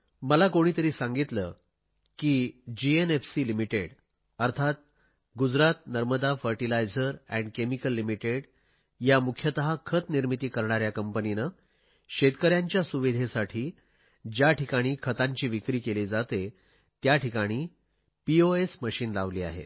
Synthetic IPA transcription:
məlakoɽ̃iːt̪əɾiːsãŋɡit̪ləː | kiːd͡ʑienefsilimiʈeɽ | əɾt̪ʰat̪̚ | ɡud͡zɾat̪̚nəɾməd̪afəɾʈilajd͡zəɾɛ̰̃ɳɖkemikəlːimiʈeɽ | jamukʰjət̪əɦakʰət̪niɾmit̪iːkəɾɳaɾjakəmpəninə | ɕet̪kəɾjaɲt͡ɕjasuʋid̪ʱesaʈʰiː | d͡ʑjaʈʰikaɽ̃iːkʰət̪ãɲt͡ɕiːʋikɾiːkelid͡zat̪e | t̪jaʈʰikaɽ̃iː | pioesməɕiːnlaʋliːa̰ɦḛ

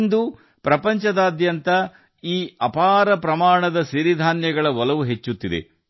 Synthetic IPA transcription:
nd̪u | pɾɐpɐɲt͡ʃɐd̪aːd̪jɐnt̪ɐ | iːɐpaːɾɐpɾɐmaːɳɐd̪ɐsiɾid̪ʱaːnjɐɡɐɭɐʋɔlɐʋuɦe̞t͡ʃːut̪ːid̪ḛ

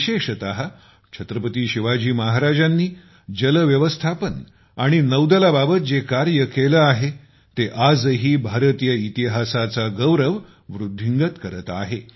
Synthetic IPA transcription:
ɕeʂət̪aɦa | t͡ɕʰət̪ɾəpət̪iːɕiʋad͡ʑiːmaɦaɾad͡zanːiː | d͡ʑələʋjəʋəst̪ʰapən | aɽ̃inəwd̪əlababət̪̚d͡zekaɾjəkeləaɦe | t̪eʔad͡zɦiːbʱaɾət̪ijəit̪iɦasat͡saɡəwɾəʋ | ʋɾud̪ʱːiŋɡət̪kəɾət̪a̰ɦe

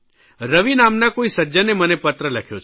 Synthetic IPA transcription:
ɾəʋinaːmnakoisɐd͡ʒənemənepɐt̪ɾəlɐkʰjot͡ʃʰ

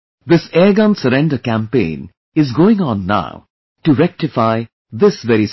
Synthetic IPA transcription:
d̪ɪsɛːɡə̃nsəɾɛ̃ɳɖəkæ̃mpḛ̃ːn | ɪzɡoːɪ̃ŋɔ̃nːa̰ʊ | ʈuɾɛk̚ʈɪfaɪ | d̪ɪsʋɛɾis

